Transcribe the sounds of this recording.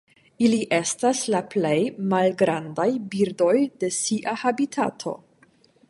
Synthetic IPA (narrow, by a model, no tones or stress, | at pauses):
iliʔe̞staslaple̞jmalɡɾandajbiɾdo̞jde̞siʔahabitʰa̰tʰo̞̰